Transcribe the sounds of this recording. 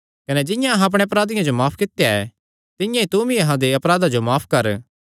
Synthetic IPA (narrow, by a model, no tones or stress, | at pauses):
kɐned͡ʒɪ̃jãɐɦãɐp̬ɽ̃eɐp̬ɾaːd̪ɪjãd͡ʒomaːpʰkɪt̪ejaɛ̰ | t̪ɪjãit̪uːmiɐɦãd̪eɐpɾaːd̪ad͡ʒomaːpʰkɐɾ